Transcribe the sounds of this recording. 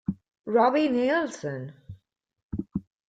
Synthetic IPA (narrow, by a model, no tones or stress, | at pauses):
ɹɔbinelsə̃n